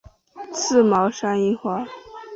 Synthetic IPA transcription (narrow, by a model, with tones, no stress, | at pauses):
t͡sʰɹ̩˥˩mɑ˧˥ʊʂa˥ni˥˩xwa˥˩